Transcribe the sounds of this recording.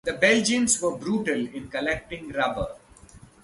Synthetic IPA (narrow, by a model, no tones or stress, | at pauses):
d̪əbɛld͡ʒə̃mzʋəbɾuːʈəlɪ̃nkəlɛk̚ʈɪ̃ŋɾʌbə